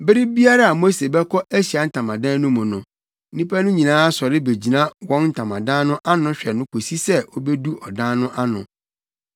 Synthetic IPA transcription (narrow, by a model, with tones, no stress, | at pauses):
bɪ˦ɾɪ˦bi˦a˦ɾa˦a˨mo˦se˨bɛ˦kʰɔ˦ʔæ˦ɕi˨a˨˦n̩˦˨tʰã˨mã˨dã˦nʊ̃˦mʊ̃˨nʊ̃˨˦ | nĩ˦pʰa˦nʊ̃˦ɲĩ˨nãː˦a˦sɔ˨ɾɪ˦be˨d͡ʑi˨nã˦wɔ̃˦nn̩˦˨tʰã˨mã̰˨dã˦nʊ̃˦ʔa˦nʊ̃˦ɕᶣɛ˨nʊ̃˦kʰo˨si˦sɛ˦o˦bɛ˦du˦ɔ˨dã˦nʊ̃˦ʔa˦nʊ̰̃˨